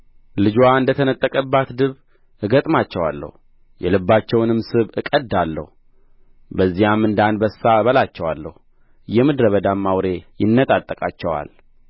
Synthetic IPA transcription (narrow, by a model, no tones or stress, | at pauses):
lɨd͡ʒwaɨnd̪ət̪ʰənət̪ʼːəkʼəbːat̪d̪ɨβ | ʔɨɡət̪ʼmat͡ʃːɛwa̰lːə̰hu | jɛlɨbːat͡ʃːɛwnɨmsɨβɨkʼəd̪ːalːə̰hu | bəzːijamːɨnd̪anbəsːaβəlat͡ʃːɛwalːə̰hu | jɛmɨd̪ɾəβəd̪amːawɾe̞jɪnːət̪ʼat̪ʼːəkʼat͡ʃːɛwa̰l